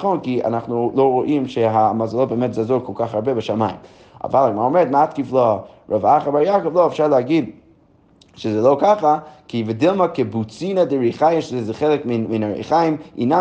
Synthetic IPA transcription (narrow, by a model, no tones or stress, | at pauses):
χonkia̰naχnulˠoʊɾoʔimʃɛɦamazalˠobemɛtzɛazokʰɔlˠkʰaχaɾbɛbəʃamajɪ̰m | a̰valˠaɡmaomɛɾətmatkiflˠɔɹɔvaχəbaɾjakovlˠoʊɛfʃaɹlˠəhaɡid | ʃəzɛlˠoʊkaχakʰivɪdɪlˠmakɪbut͡sinadəɹiχajɪʃzɛzɛχelˠɪkminminaɹḛχajɪmḭna